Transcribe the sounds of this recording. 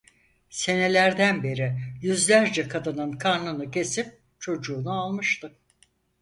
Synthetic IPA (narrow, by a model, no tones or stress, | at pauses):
se̞ne̞lʲæɾd̪ænbe̞ɾijyzlʲæɾd͡ʒɛkʰad̪ɯnɯnkʰaɾnɯnɯcʰe̞sip̚ | t͡ʃʰo̞d͡ʒuːnualˠmɯʃt̪ɯ